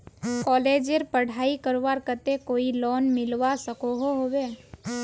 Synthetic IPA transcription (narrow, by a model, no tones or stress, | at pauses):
kɔːleːd͡ʒeɾpəɽ̤aːikəɾʋaːɾkət̪ekoːilɔːnmɪlʋasəkoɦoɦoʋeː